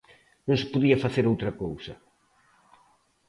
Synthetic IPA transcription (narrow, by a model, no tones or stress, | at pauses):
nõŋsɪ̥poðiɐfaθeɾowt̪ɾɐkowsɐ